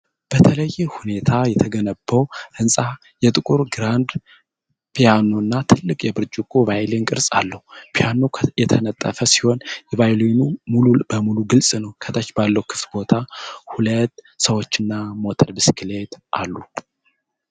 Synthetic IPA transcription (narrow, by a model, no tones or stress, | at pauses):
b̥ət̪ʰələjːɛhune̞t̪ʰajɛt̪ʰəɡənəbːəwʔɨnsʼa | jɛt̪ʼɨkʼuɾɡɾand̪ | pʰijano̞nːat̪ʰɨlːɨkʼjɛbɨɾd͡ʒɪkʼuvajleŋkʼɨɾsʼa̰lːəhupʰijano̞jɛt̪ʰənət̪ʼːəfəsi̥ho̞njɛvajloinumulubəmuluɡɨlsʼnəwkʰət̪ʼat͡ʃːbalːəwukʰɨ̥ft̪bo̞t̪ʰahulət̪ː | səwo̞t͡ʃːɨnːamo̞t̪ʰəlbɨskʰle̞t̪ʔa̰lːu